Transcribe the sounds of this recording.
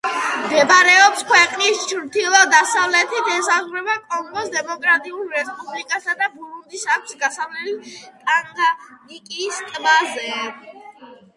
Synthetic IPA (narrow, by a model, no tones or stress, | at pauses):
md̪ɛbaɾɛɔpskʰwɛqʼnist͡ʃʰɾt̪ʰilˠɔd̪asavlɛt̪ʰit̪ɛsazɾɛbakʼɔŋɡɔsd̪ɛmɔkʼɾat̪ʼiulˠɾɛspʼublikʼasad̪abuɾund̪isak̚t̪sɡasavlɛlit̪ʼaŋɡanikʼist̪ʼbazɛ